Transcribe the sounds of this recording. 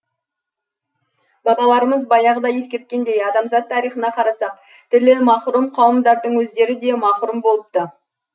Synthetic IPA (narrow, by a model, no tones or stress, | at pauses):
bɑbˠɑlˠɑɾəməzbɑjɑʁəd̪ɑje̞skʲe̞ɾt̪̚kʲe̞nd̪e̞jɑd̪ɑmzɑt̪ʰːɑɾijχənɑqʰɑɾɑsɑq̚ | t̪ʰɪlɪmɑχɾumqʰɑwəmd̪ɑɾd̪əɴwɵzd̪e̞ɾɪd̪e̞mɑχɾumbo̞lˠəp̚t̪ə